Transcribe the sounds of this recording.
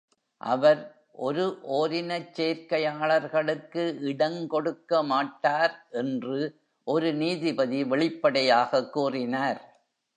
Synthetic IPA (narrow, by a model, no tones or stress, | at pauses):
ʔɐ̰ʋɐɾ | ʔɔɾɯʔoːɾɪnɐt͡ʃːeːɾkɐjaːɭɐɾɣɐɭɯkːɯʔɪɽɐŋkɔɽɯkːɐmaːʈːaːɾʔɛndrɯ | ʔɔɾɯniːðɪbɐðiʋɛɭɪpːɐɽɐjaːɣɐkːuːrɪnaːɾ